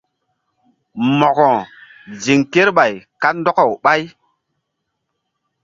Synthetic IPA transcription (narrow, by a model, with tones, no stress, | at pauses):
mɔ˨kɔ˨ | d͡ʒi˨ŋke˦ɾɓa˨jka˦n˦dɔ˦kɔ˨wɓa˦j